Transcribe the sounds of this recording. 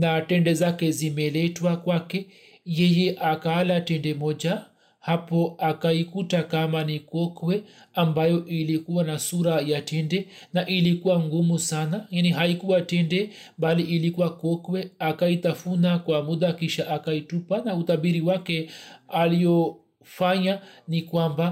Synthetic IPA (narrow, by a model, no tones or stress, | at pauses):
natɛndɛzakɛzimɛlɛtwakwakɛ | jɛjɛʔakaːlatɛndɛmɔd͡ʒa | hapɔakaikutakamanikɔkwɛambajɔʔilikuwanasuɾajatɛndɛnaʔilikuwaŋɡumusanajaniɦaikuwatɛndɛ | mbaliʔilikuwakɔkwɛakait̪afunakwamuðakiʃaʔakaitupanaut̪aɓiɾiwakɛalijɔ | faɲanikwamba